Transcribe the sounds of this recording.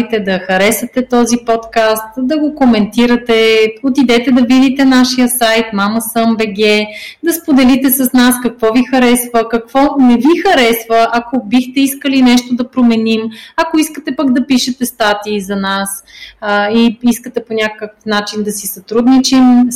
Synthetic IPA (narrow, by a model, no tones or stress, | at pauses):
it̪ɛd̪ɐxɐɾɛsɐt̪ɛt̪ɔzipɔt̪kast̪d̪ɐɡokomɛnt̪iɾət̪ɛot̪id̪ɛt̪ɛd̪ɐvid̪it̪ɛnaʃijəsajt̪maməsəmbɛɡɛd̪ɐspod̪ɛlit̪ɛsɐsnaskɐkvɔvixɐɾɛsvəkɐkv̥ɔnɛvixɐɾɛsvəʔɐkobixt̪ɛiskəlinɛʃt̪od̪ɐpɾomɛnimɐkoiskət̪ɛpaɡd̪ɐpiʃɛt̪ɛst̪at̪iːzɐnas | iiskət̪ɛponʲakkəkfnat͡ʃind̪ɐsisɐt̪ɾud̪nit͡ʃim